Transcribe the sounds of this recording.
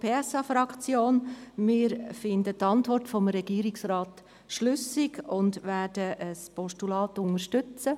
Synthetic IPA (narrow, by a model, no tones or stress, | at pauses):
pʰeːɛsɑfɾɑkt͡sjoːnmɪːɾfɪndətɑntʋɔrtfɔmɾɛɡ̥iːəɾɪksrɑːt | ʃlʏsɪɡʊndʋæːrd̥əʔəspɔʃtulɑːtʊŋəʃtʏt͡sə